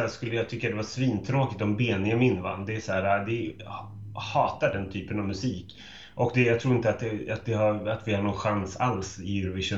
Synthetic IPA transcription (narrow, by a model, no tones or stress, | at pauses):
æʂkɵlːəjɑɡt̪ʰʏkːad̪ɛvasviːnt̪ʰɾoːkɪk̚t̪ɔmbeːnɪəmɪnːvanːd̪ɛːsæːɾad̪ɛ | hɑːt̪aɖɛnt̪ʰyːpənavmɵsiːk | ʔɔkd̪ɛjɑɡt̪ʰɾuːɾɪnt̪əat̪̚ɛat̪̚d̪ɛhaɾat̪vɪhaɳɔnɧansalsɪɾvɪʂʊ